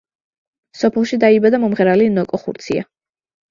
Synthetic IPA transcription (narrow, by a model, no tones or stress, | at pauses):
sɔpʰɛlˠʃid̪aibad̪amɔmʁɛɾalinɔkʼɔχṵɾt̪sʰia̰